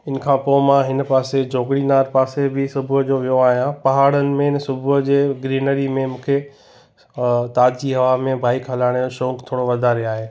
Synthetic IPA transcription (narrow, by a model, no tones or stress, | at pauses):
ɪnə̆kʰãːpoːmãɦɪnpaːsed͡ʑoːɡɽinaːɾpaːsebɪsʊbʱʊd͡ʑoʋijoaːɦijãpɐɦaːɽənɪ̆mẽɪnsʊbʱʊɦd͡ʑeːɡɾiːnəɾimẽmũːkʰe | t̪aːd͡ʑd͡ʑiɦɐʋaːmẽbʱaːikɦɐlaːɽ̃oʃõːkt̪ʰoːɽ̃oʋɐd̪ʱaɾiaːɦeː